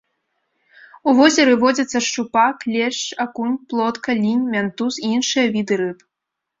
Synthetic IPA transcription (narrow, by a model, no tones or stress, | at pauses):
uvɔzʲɛɾɨvɔd͡zʲɐt̪sːɐʂt͡ʂupaklʲɛʂt͡ʂakunʲplˠɔt̪kɐlʲinʲmʲant̪usiinʂɨjɐvʲid̪ɨɾɨp